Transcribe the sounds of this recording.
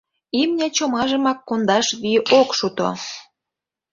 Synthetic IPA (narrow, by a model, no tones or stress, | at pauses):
imnʲet͡ɕomɑʒə̆mɑkːond̪ɑʃβiʔokʃut̪o̰